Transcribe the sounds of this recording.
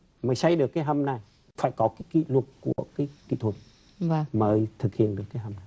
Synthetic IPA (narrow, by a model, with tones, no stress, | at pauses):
məː˨˦jsa˧jɗɨ˨˩əkːaː˨˦jɦə˧mna˨˩j | faː˧˩jkɔ˨˦kaː˨˦jkḭ˧˨lwə˨˩t̚ku˧˩əkaː˨˦jkḭ˧˨t̪ʰwə˨˩t̚ | və˧məː˨˦jt̪ʰɨ˨˩k̚hḭ˧˨ənɗɨ˨˩əkːaː˨˦jɦə˧mna˨˩j